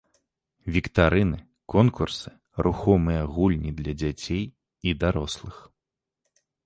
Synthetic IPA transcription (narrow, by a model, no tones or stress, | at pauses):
vʲikt̪aɾɨnɨ | kɔnkursɨ̥ | ɾʔuxɔmɨjɐɣulʲnʲid̪lʲɐd͡zʲat͡sʲej | id̪aɾɔslˠɨx